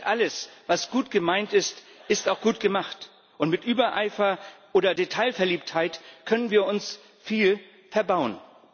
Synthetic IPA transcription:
ʔaləsv̥asɡ̥uːtɡ̥əmaɪntɪst | ʔɪstaʊxɡ̥uːtɡ̥əmaχt | ʔʊntmɪtʔyːbɐʔa̰ɪfɐʔoːdɐdetʰaɪlfɛɐliːp̚thaɪtkʰœnənviːɐʊns | fiːl | fɛɐbaʊən

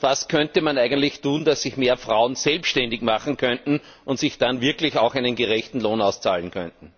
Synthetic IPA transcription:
vaskʰœntəmanæɪɡəntlɪçtʰuːnd̥asːɪçmeːɐfʁaʊənsɛlpʃtɛndɪçmaχn̩kʰœntn̩ | ʊntsɪçd̥anvɪɐklɪçaʊxæɪnənɡeʁɛçtn̩loːnaʊst͡sa̰ːlənkʰœ̰̃ntn̩

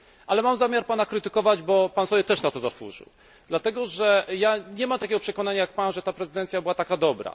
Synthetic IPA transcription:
ʔalɛmamzamʲjaɾpanakɾɘt̪ɘkɔvad͡ʑbɔpansɔbʲjɛt̪ɛʂnat̪ɔzaswṵʐɨ̰w | d̪lat̪ɛɡɔʐɛjaɲɛmamt̪akʲɛɡɔpʂɛkɔn̪aɲajak̚panʐɛt̪apɾɛzɨd̪ɛnt̪sʲjabɘwat̪akad̪ɔbɾa̰

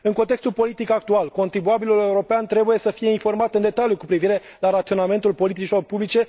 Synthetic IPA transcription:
ɨŋko̞nt̪e̞kst̪ulpo̞lit̪ikak̚t̪ualko̞nt̪ɾibuabilule̞uɾo̞peant̪ɾe̞buje̞səfije̞info̞rmat̪ɨnd̪e̞t̪aljukupɾiviɾe̞ | laɾat̪sio̞name̞nt̪ulpo̞lit̪it͡ʃilo̞rpublit͡ʃe̞

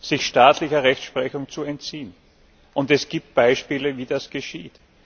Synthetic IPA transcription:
sɪçʃtaːtlɪçɐʁɛçʃpʁ̥ɛçʊŋt͡suɛntt͡siːn | ʔʊntɛsɡ̥iːp̚t̚b̥aɪʃpiːləviːdasɡ̥əʃiːt

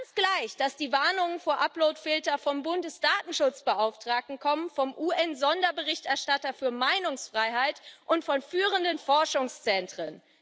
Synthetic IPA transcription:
ansɡ̥laɪçd̥asd̥iːvaɐnʊŋənfoːɐʔaploʊtfɪltɐfɔmbʊndəsd̥aːtn̩ʃʊt͡sb̥əʔaʊftʁ̥aːk̚tn̩kʰɔmənfɔmʔuːʔɛnzɔndɐbəʁɪçtɛɐʃtatɐfyːɐmaɪnʊŋsfʁ̥aɪɦaɪtʔʊntfɔnfyːʁəndənfɔɐʃʊŋst͡sɛntʁ̥ən

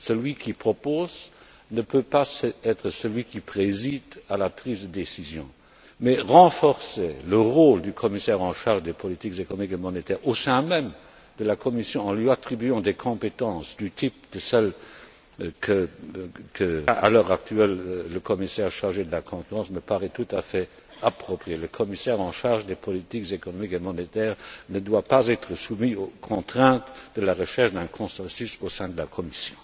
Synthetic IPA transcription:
səlɥikʰipχɔpoːz | nəpøpasɛt̪χəsəlɥikipʁezid̪alapʁiːzd̪əd̪esizjɔ̰̃ | mɛʁɑ̃fɔʁseləʁoːld̪ykʰɔmisɛʁɑ̃ʃaʁʒd̪epʰɔlit̪ikzekɔnɔmikemɔnet̪ʰɛːʁosɛ̃mɛm | d̪̥əlakʰɔmisjɔ̃ɑ̃lɥiat̪χibyɑ̃d̪ekʰɔ̃pet̪ɑ̃ːsd̪yt̪ʰip̚d̪̥əsɛl | kʰə | kʰəa̰lœːʁak̚t̪ʰɥɛlːəkʰɔmisɛːʁʃaʁʒed̪əlakʰɔ̃kyʁɑ̃sməpaʁɛt̪ut̪afɛ | apχɔpχieləkʰɔmisɛːʁɑ̃ʃaʁʒd̪epʰɔlit̪ikzekɔnɔmikemɔnet̪ɛːʁnəd̪wapazɛt̪ʁəsumiokʰɔ̃t̪χɛ̃t̪d̪̥əlaʁəʃɛʁʃd̪ɛ̃kʰɔ̃sɑ̃sysosɛ̃d̪əlakʰɔmisjɔ̃

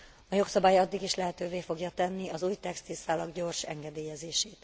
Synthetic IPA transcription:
ɒjo̞ksɒbaːjɒd̪ːiɡiʃlɛɦɛt̪øːveːfo̞ɡjɒt̪ɛnːiɒzuːjt̪ɛkst̪isaːlɒɡɟo̞rʃɛ̰ŋɡɛd̪eːjɛzeːʃeːt̪

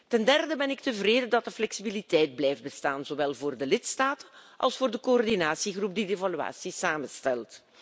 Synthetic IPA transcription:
tɛndɛrdəbɛnɪk̚təvreːdədɑt̚dəflɛksibilitɛjd̚blɛjft̚bəstaːnzoːwɛlˠvoːrdəlɪtstaːtənʔɑ̰lˠsfoːrdəkoɔrdinaːsiɣrup̚didevalya̰ːsisaːmənstɛlˠt

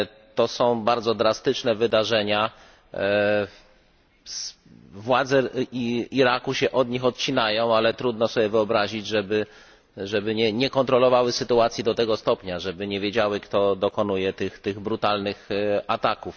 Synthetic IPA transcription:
t̪ɔsɔ̃w̃baɾd̪zɔd̪ɾast̪ɘt͡ʂnɛvɘd̪aʐɛɲa | s | vwad̪zɛiiɾakuɕɛʔɔd̪ɲixɔt̪̚t͡ɕinajɔ̃w̃alɛt̪ɾud̪nɔsɔbʲjɛvɘɔbɾaʑid͡ʑʐɛbɘ | ʐɛbɘɲɛɲɛkɔnt̪ɾɔlɔvawɘsɘt̪uat̪sʲjid̪ɔt̪ɛɡɔst̪ɔpʲɲaʐɛbɘɲɛvʲjed͡ʑawɘkt̪ɔd̪ɔkɔnujɛt̪ɘxt̪ɘɣbɾut̪alnɘxat̪akuf

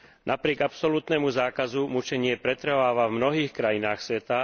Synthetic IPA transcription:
nʔapɾɪɛɡapsɔlut̪nɛmuzaːkazumut͡ʃɛɲɪɛpɾɛt̪ɾʋaːʋavmnɔɦiːxkɾajinaːxsʋɛt̪a

